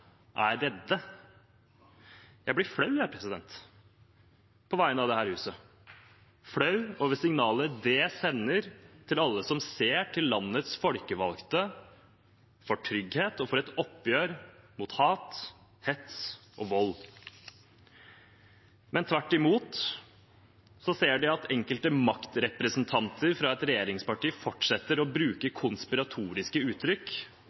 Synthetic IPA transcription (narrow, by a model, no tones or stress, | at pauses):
ʔæɖɛt̪ːə | jæɪblɪfɽɑʉjæːɾpʰɾɛsɪd̪ɛnt̪ | pʰɔʋæɪnəɑʋd̪ɛhæːɾhʉːsə | fɽɑʉɔʋɛsɪŋnɑːləd̪ɛsɛnːəɾt̪ʰɪlɑlːəsɔmseːʈʰɪlːɑnːət̪sfɔlkəʋɑlkt̪ə | fɔʈʰɾʏɡheːt̪ɔfɔɾɛt̪ɔpːjøːɾmuːt̪hɑːt̪ | hɛt̪sʔɔʋɔlː | mɛnt̪ʰʋæʈːɪmuːt̪ | sɔseːɖɪɑt̪ʰɛŋkəlt̪əmɑkt̪ɾɛpɾəsnt̪ʰɑnt̪ʰəɾfɾɑɛt̪ɾɛjeːɾɪŋspɑʈiːfɔʈʂɛt̪ːəɾɔbɾʉːkəkʰʊnspɪɾɑt̪ʰuːɾɪskəʉːt̪ʰːɾʏk